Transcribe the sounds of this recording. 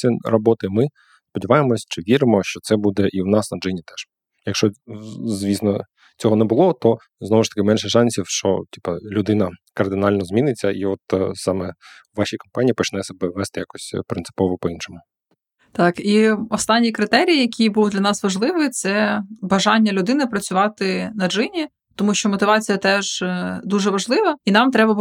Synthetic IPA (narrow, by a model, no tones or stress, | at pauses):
irɔbɔt̪ɪmɪ | spɔdʲiʋɑjemɔsʲt͡ʃɪʋʲiɾɪmɔʃt͡ʃɔt̪sɛbud̪ɛʔiwnɑsnɐd͡ʒɪnʲit̪ɛʃ | jɐkʃt͡ʃɔzʋʲisnɔ | t͡sʲɔɦɔneɛbʊlˠɔt̪ɔ | znɔʋʊʃt̪ɐ̥kɪmɛnʃɛʃɑnʲsʲiwʃt͡ʃɔ̰tʲipɐlʲʊd̪ɪnɐkɐrd̪ɪnɑlʲnɔzmʲinɪt͡sʲːɐʔiɔt̪sɑmɛ | ʋɑɕʲijkɔmpɑnʲiːpɔt͡ʃnɛsɔbɛʋːɛst̪ɪjakɔsʲpɾɪntsɪ̥pɔʋɔpɔinʃɔmʊ | t̪ɑkiɔst̪ɑnʲːikɾɪt̪ɛɾʲijːjɐkʲʰibulˠʊd̪lʲɐnɑsʋɐʒlˠɪʋɪt̪sɛbɐʒɑnʲːɐlʲʊd̪ɪnɪpɾɐt͡sʲʊʋɑt̪ɪnɐd͡ʒɪnʲi | t̪ɔmuʃt͡ʃɔmɔt̪ɪʋɑt͡sʲijɐt̪ɛʒd̪uʒɛʋɐʒlˠɪʋɐinɑmt̪ɾɛbɐ